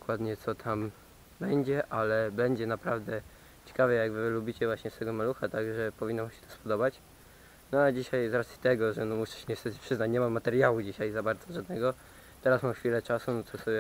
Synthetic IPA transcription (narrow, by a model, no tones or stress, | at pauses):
kwad̪ɲɛt̪sɔt̪ʰam | bɛɲd͡ʑɛʔalɛbɛɲd͡ʑɛnapɾavd̪ɛ | t͡ɕɛ̥kavɛjaɡvɘlubʲit͡ɕɛvwaɕɲɛst̪ɛɡɔmaluxat̪aɡʐɛpɔvinːamɕɛ̥t̪ɔ̥spɔd̪ɔbat͡ɕ | nɔad͡ʑiɕajzɾat̪sʲjʲi̥t̪ɛɡɔʐɛnɔmuʂɛ̥ɕɛɲɛst̪ɛt̪pʂɘznat͡ɕɲɛmamːat̪ɛɾjawud͡ʑiɕajzabaɾd̪zɔʐad̪nɛɡɔ | t̪ɛɾasmamxfʲilɛt͡ʂasunɔt̪sɔsɔbʲɛ